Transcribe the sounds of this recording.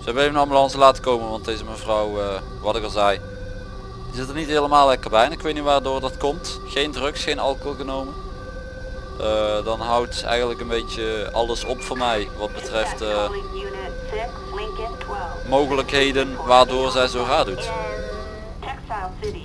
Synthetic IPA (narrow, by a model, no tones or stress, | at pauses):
səɛbənevənabəlɑnsəlaːtə̥kowmənʋɑntejzəmɛnvrɔwə | ʋɑtɪkəlˠzɛj | dizɪtərnitɦeːləmaːlˠlɛkərbɛjɛnɪkʋejt̚niʋaːrdoːrdɑtkɔmtxejndrɵksxejnɑ̰lˠkoɣənowmə | ədɑnɦʌwtsɛ̰jɣəndləkənbejt͡ʃəɑ̰lˠəsɔpfʊːɹmɛjʋɑd̚bətrɛftː | lk | mowɣələkɦejdənʋaːrdoːrzɛjzowraːdut